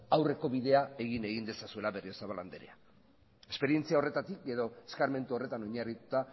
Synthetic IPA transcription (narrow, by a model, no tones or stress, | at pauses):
awre̞ko̞βiðe̞ae̞ɣine̞ɣ̞ind̪e̞sasue̞laβe̞rio̞saβaland̪eɾḛa | e̞spe̞ɾie̞nt͡siao̞re̞t̪at̪ike̞ðo̞eskaɾme̞nt̪uo̞re̞t̪ano̞ɲarit̪ut̪a